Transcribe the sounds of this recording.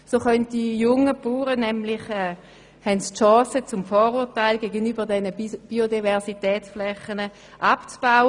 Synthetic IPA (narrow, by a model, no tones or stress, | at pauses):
soːχœnt̚d̥ijʊŋəpuːʁənɛmlɪχɛː | hɛntstʃɑ̃ːsət͡sʊmfɔːʁuːɐtaɪlɡeːɡənyːbəʁdɛnəb̥iodivɛʁsitɛːt͡sflɛχənə | ʔapt͡sb̥aʊ